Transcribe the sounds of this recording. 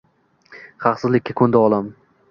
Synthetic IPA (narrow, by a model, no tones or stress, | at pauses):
χɑχsɨzlɪkʲːakʰɵnd̪aɒlˠam